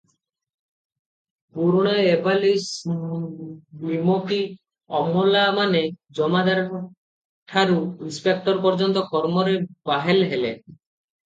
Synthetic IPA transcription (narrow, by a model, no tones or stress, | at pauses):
puɾuɽ̃aebalis | nimoki | ɔmːolamaned͡ʒɔmad̪aɾ | ʈʰaɾuinspek̚ʈɔɾp̬ɔɾd͡ʒɔnt̪ɔkɔɾmɔɾebaɦelɦele